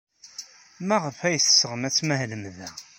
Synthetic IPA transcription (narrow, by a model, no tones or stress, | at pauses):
mæʁəfæjəθsəʁəmæt͡sːmæɦləmðæ